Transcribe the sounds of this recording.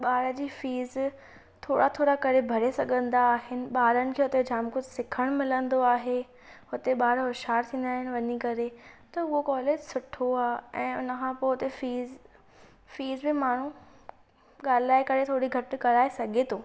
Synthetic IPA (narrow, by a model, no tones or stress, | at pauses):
ɓaːɾəd͡ʑiːfiːz | t̪ʰoːɽat̪ʰoːɾakɐɾebʱɐɾesɐɡʱə̃nd̪aːɦɪnɪ̆ɓaːɾənɪ̆kʰeːɦʊt̪ed͡ʑʱaːmkʊd͡ʑsɪkʰəɽ̃mɪlə̃nd̪oaːɦe | hʊt̪eɓaːɾɦʊʃaːɾt̪ʰĩːnd̪aːɦɪnɪ̆ʋɐɲikɐɾet̪ɐʊɦokɔːleːd͡ʑsʊʈʰoaːɛ̃ːʊ̰nəkʰãːpoːɦʊt̪efiːz | fiːzbɪmaːɽ̤ũ | ɠaːlɪaːekɐɾet̪ʰoːɽiɡʱɐʈɪ̆kɐɾaːesɐɡʱet̪ʰoː